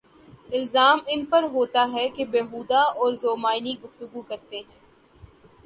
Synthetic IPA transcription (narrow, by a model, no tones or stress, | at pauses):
ɪlzaːmɪnpɐɾɦoːt̪aɦɛkebeːɦuːd̪aɔːɾzoːmaːɪniɡʊft̪ʊɡukɐɾt̪eɦɛ̃ː